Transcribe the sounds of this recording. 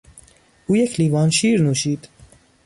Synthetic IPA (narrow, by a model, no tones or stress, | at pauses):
ujɛkʰliːvɑːnʃiːɾnuʃiːt̪